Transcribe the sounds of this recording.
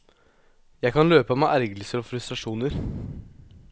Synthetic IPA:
jæɪkʰɑnløːpɑmɛʔæɾɡəlsəɾɔfɾʉst̪ɾɑʂuːnəɾ

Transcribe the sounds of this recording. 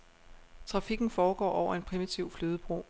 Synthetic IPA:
t͡sʰʁɑ̈fiɡ̥n̩fɒːɡ̥ɒ̰ːʔɒʊ̰ɐe̝npʰʁimit͡sʰiʊ̰fløːð̞ˠəb̥ʁo̝̰ː

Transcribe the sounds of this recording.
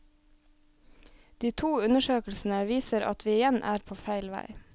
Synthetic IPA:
d̪̥iːt̪ʰuːʉnəʃøːkl̩sn̩əʋiːsəɾɑ̰t̪ʰʋiːɪjɛnʔæːɾpʰoːfæɪlʋæ̰ɪ

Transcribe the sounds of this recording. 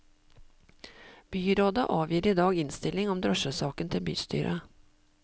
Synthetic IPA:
b̥yːɾoːd̪ɑʔɑːʋjiːɾiːd̪ɑːɡɪnst̪ɪlɪŋɔmd̪ɾɔʂəsɑːkənt̪ʰɪlby̰ːst̪y̰ːɾʔə̰

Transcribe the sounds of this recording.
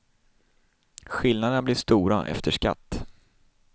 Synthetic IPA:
ɧɪlnad̪ənablɪʂt̪uːɾa̰ʔɛ̰ft̪ʰəʂka̰t̪ː

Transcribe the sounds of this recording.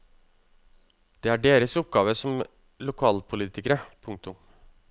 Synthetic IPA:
d̪̥ɛːæɖeːɾəsɔp̚ɡɑːʋəsɔm | lʊkʰɑːlpʰʊliːt̪ɪkəɾəpʰʊŋk̚t̪ʊm

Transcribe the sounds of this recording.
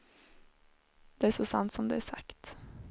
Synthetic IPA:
d̪̥ɛæʂɔsɑ̰nt̪sɔmd̪ɛ̰æsɑ̰kt̪

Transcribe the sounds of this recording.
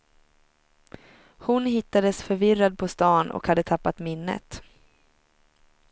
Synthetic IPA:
hʊnɦɪt̪ːad̪əsfœɾvɪrad̪̚pʰɔst̪ɑːnɔ̰khad̪ːət̪ʰapːat̪mɪnːə̰t̪

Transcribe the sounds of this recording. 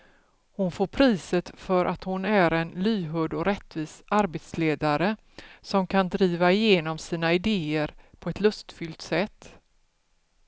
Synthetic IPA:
hʊnfoːɾpʰɾiːsət̪fœɾʔat̪hʊnæɾɛnlyːɦɵd̪ɔɾɛt̪ːviːsaɾbeːt̪sleːd̪aɾə | sɔmkʰand̪ɾiːvaɪjeːnɔmsiːnaɪd̪eːəɾpʰɔɛt̪lɵst̪fʏlt̪sɛt̪ː

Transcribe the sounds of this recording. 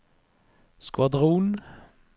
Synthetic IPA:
skʋɑd̪ʁuːn

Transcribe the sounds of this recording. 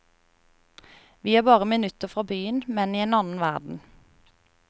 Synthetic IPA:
ʋiːæːʁbɑːʁəmɪnʉt̪əfʁɑːbyːənmɛniːeːnɑnn̩ʋæ̰ʁd̪n̩

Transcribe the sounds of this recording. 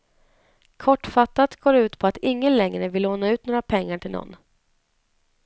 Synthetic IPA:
kʰɔʈːfat̪ːat̪ɡoːɾʉ̟ːt̪pʰɔat̪ɪŋːənlɛŋɾəvɪlːoːnaʉ̟ːt̪noːɾapʰɛŋːaʈʰɪlnɔ̰nː

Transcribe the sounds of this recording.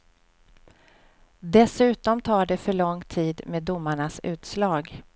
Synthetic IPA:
d̪ɛsʉ̟ːt̪ɔmt̪ʰɑːɖɛfœɭɔŋt̪ʰiːd̪meːd̪ːʊmːaɳasʉ̟ːt̪slɑːɡ

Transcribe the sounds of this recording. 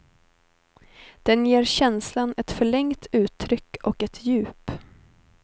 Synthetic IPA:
d̪̥ɛnjeːɾɕɛnslanɛt̪fœɭɛŋt̪ʉ̟ːt̪ʰːɾʏkːɔkɛt̪ʰjʉ̟ːp

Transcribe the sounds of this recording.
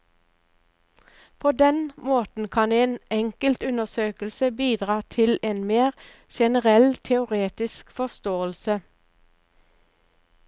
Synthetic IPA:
pʰoːd̪ɛnmoːt̪n̩kʰɑneːnɛŋkəlt̪ʉnəʁsøːkəl̩səbiːd̪ʁɑːt̪ʰɪleːnmeːʁ | ʃɛnəʁɛlt̪ʰɛʊʁeːt̪ɪskfɔst̪oːəlsə

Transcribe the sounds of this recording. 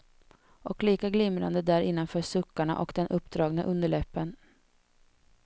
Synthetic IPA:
ʔɔkliːkaɡlɪmɾa̰nd̪əd̪æɾɪnːanfœːʂɵkːaɳa̰ʔɔ̰kd̪ɛnʔɵpːd̪ɾɑːɡna̰ʔɵnd̪əɭɛpːən

